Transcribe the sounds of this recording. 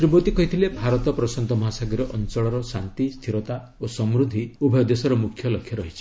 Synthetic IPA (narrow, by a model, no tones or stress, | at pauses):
t̪ɾibot̪ikɔɦit̪ʰilebʱaɾɔt̪ɔpɾɔsɔnt̪ɔmɔɦasaɡiɾɔʔɔnt͡ʃɔɭɔɾɔsant̪ist̪ʰiɾɔt̪a | osɔmɾud̪ʱiubʱɔjɔd̪esɔɾɔmukʰːjɔlɔkʰːjɔɾɔɦit͡ʃʰi